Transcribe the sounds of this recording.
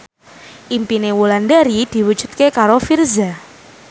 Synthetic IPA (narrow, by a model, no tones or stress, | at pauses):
ʔimpinewulandaɾid̪̥i̤wud̥d͡ʒ̥ṳt̪̚kekaɾofirza